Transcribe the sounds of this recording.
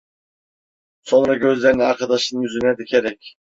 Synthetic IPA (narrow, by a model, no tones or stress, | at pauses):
so̞nɾɑɟø̞zlʲeɾiniaɾkʰɑd̪ɑʃɯnjyzynɛd̪icʰeɾɛc